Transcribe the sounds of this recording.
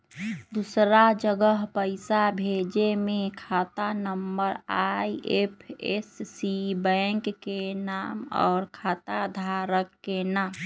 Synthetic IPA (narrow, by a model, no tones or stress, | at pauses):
d̪usɾad͡ʒəɡəɦpəɪsabʱed͡ʒemẽkʰaːt̪anəmbəɾaiʔepʰḛsːibɛ̃ŋkːenaːmɔ̰ːɾkʰaːt̪ad̪ʱaɾəkːenaːm